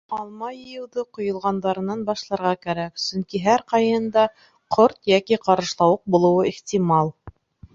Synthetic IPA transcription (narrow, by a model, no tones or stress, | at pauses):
ɑlˠmɑjɤ̆jɤ̆wðɤqŏjŏlˠʁɑnd̪ɑɾɤ̆nɑnbɑʃlˠɑɾʁɑkæɾæksɵŋkiɦæɾqɑjɤnd̪ɑ | qʰoɾt̪jækiqɑɾɤ̆ʃlˠɑwɤq̚bulˠɤ̆wɤiχt̪ʲimɑlˠ